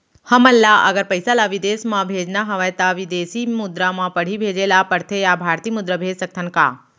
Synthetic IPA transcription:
hɐməlːaʔə̰ɡəɾpəjsalaʋid̪eːsmãbʱeːd͡ʒnaɦɐʋajt̪aʋid̪eːsimʊd̪ɾamãpəɽ̤ibʱeːd͡ʒelapəɽt̪ʰejabʱaːɾt̪iːmud̪ɾəbʱeːd͡ʒsək̚t̪ʰənka̰ː

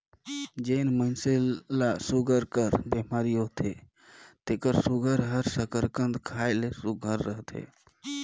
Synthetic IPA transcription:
d͡ʒenmənselasuɡəɾkəɾbemaɾiɦot̪ʰe | t̪ekəɾsuɡəɾɦəɾsəkəɾkənd̪kʰaelesuɡʱəɾːəɦt̪ḛ

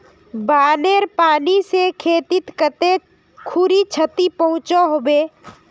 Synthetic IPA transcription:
baːneɾpaːnisekʰeːt̪ɪt̪kət̪e | kʰʊɾit͡ʃʰət̪ipəɦʊ̃t͡ʃaɦoːbeː

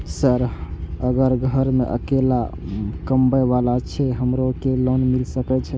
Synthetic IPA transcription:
səɾəɡəɾɡʱəɾmḛʔə̰kelakəmbəjʋalat͡ʃʰɛɦəmɾokelonmilsəkɛt͡ʃʰɛ

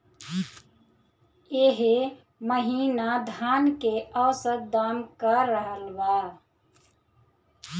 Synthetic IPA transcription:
eːɦe | məɦiːnad̪ʱaːnkeʔəːsəɾ̚d̪aːmkəɾəɦəlbaː

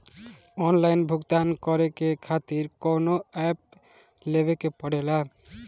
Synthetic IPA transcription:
ɔnlajnbʱuɡt̪ankɔɾekekʰat̪iɾkonoɛp̚ | lebekepɔɽela

